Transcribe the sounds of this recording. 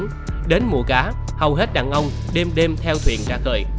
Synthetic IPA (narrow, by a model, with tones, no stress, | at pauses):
n | ɗe˨˦nmṵ˧˩əkaː˨˦ | hə˨˩wɦe˦˥t̚ɗaː˧˨˩ŋʔə˧wŋ͡m | ɗe˧mɗe˧mt̪ʰɛ˧wt̪ʰwḭ˧˨ənt͡ɕaː˧˥xə̰ː˧˩j